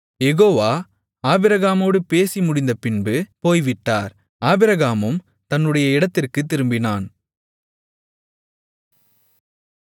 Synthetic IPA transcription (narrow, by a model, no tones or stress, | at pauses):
jɛɣoːʋaː | aːbɪɾɐɣaːmoːɽɯpeːsimʊɽɪnd̪ɐpɪnbɯpoːjʋɪʈːaːɾ | aːbɪɾɐɣaːmɯm | t̪ɐnːɯɽɐjɐɪɽɐt̪ːɪrkɯt̪̬ːɪɾɯmbɪnaːn